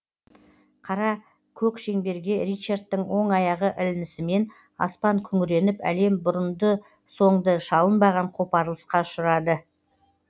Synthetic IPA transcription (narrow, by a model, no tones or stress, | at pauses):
qʰɑɾɑ | kʲʰɵkʃe̞ŋbe̞ɾɡʲe̞ɾit͡ʃart̪ːəŋwo̞ɴɑjɑʁəʔɪlɪnɪsɪme̞n | ɑ̰spɑŋkʲʰʏŋɪɾe̞nɪpæ̰le̞mbʊɾənd̪ə | so̞ɴd̪əʃɑlˠənbɑʁɑɴqʰo̞pɑɾlˠəsqɑʊʃʊɾɑd̪ə